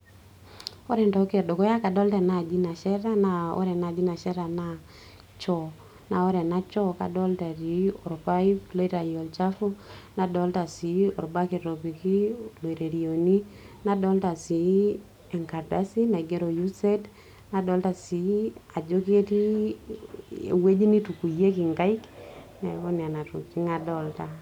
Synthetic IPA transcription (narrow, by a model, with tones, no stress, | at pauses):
o˦ɾɛ˨ntɔ˨ke˨do˨kɔ˦ja˦ka˨dɔ˦ltɛ˨na˨d͡ʒi˦na˨ʃɛ˦ɾa˦na˦ɔ̰˦ɾɛ˨na˨d͡ʒi˦na˨ʃɛ˦ɾa˨na˦ | t͡ʃɔ˨ | na˨o˦ɾɛ˨na˦t͡ʃɔ˦ka̰˨dɔ˦lta˨ɾi˨ɔ˨ɾpa˦i˦plo˦i˦ɾa˨jo˨ld͡ʒa˦fu˦na˨dɔ˨˦lta˨si˨˦ɔ˨ɾba˦ki˨ɾo˨bi˨ki˦lo˨i˨ɾe˨ɾi˨o˨ni˦ | na˦dɔ˦lta˨si˨ | ɛ˨ŋka˨rda˦si˦na˨ɡe˦ɾo˨ju˦se˦d | na˨dɔ˦lta˨si˨a˨d͡ʒo˦ke˦ti˦ | ḛ˨we˦d͡ʒi˦ni˦tu˨ku˨je˦ki˨ŋɡa˦i˦k | na˨kɔ˦n˨a˨na˨tṵ˨ki˦ŋa˨dɔ˨lta˨